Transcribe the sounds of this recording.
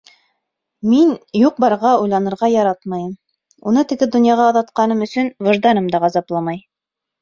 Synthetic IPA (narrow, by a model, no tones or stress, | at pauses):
minjuq̚bɑɾʁɑujlˠɑnɤ̆ɾʁɑjɑɾɑt̪mɑjɤm | unɤt̪ɘ̆ɡɘd̪ŏnjɑʁɑːðɑt̪qɑnɤmɵ̆sɵnvɤ̆ʒd̪ɑnɤmd̪ɑʁɑzɑplˠɑmɑj